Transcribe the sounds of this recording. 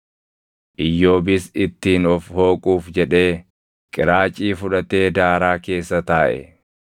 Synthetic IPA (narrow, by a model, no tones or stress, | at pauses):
ʔɪjːo̞ːbɪsɪt̪ːiːnɔfho̞ːkʼuːfd͡ʒɛᶑe̞ː | kʼɪɾaːt͡ʃʼiːfʊᶑɐt̪e̞ːd̪aːɾaːke̞ːsːɐt̪aːʔɛ̰